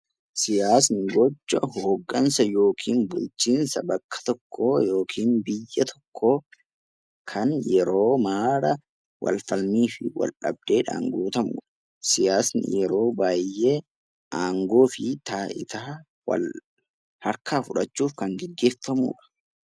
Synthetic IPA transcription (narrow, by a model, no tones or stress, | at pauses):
sɪjaːsnɪɡɔt͡ʃːɐɦoːɡːɐnsɐjo̞ːkʰiːnbʊlt͡ʃiːnsɐbɐkːɐ̥t̪ɔkːoːjo̞ːkʰiːnbɪjːɐt̪ʰɔ̥kʰːoː | kʰɐnjɛɾo̞ːmaːɾɐ | wʔɐ̰lfɐlmiːfɪwɐ̰lᶑɐ̰b̚d̪̥eːᶑa̰ːŋɡuːt̪ɐmṵːᶑɐ̥ | sɪjaːsnɪ̰jɛɾo̞ːbaːjːeː | ʔaːŋɡoːfɪt̪aːʔɪ̰t̪aː | wɐ̰l | hɐɾkaːfʊᶑɐt͡ʃːuːfkɐŋɡɛɡːe̞ːfɐmṵːᶑɐ̥